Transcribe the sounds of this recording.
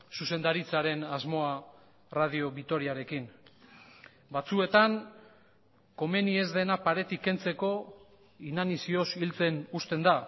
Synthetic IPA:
suse̞nd̪aɾit͡saɾe̞nazmo̞a | rað̞io̞βit̪o̞ɾiaɾe̞kin | bat͡sue̞t̪aŋ | ko̞me̞nie̞zðe̞napaɾe̞t̪ike̞nt͡se̞ko̞ | inanisio̞silt͡se̞nust̪e̞nd̪a

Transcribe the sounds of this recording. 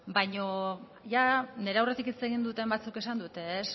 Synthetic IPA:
bajɲo̞ | ʝane̞ɾeawre̞t̪ikit͡se̞ɣ̞ind̪ut̪e̞mbat͡suke̞sand̪ut̪e̞ːs

